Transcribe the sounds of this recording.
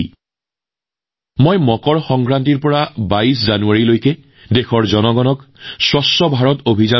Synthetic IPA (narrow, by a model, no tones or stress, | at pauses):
mojmɔkɔɹxɔŋkɹantiɹpɔɹabais̬zanuaɹilojkɛ | dexɔɹzɔnɔɡɔnɔksɹɔsːɔbʱaɹɔtobʱiza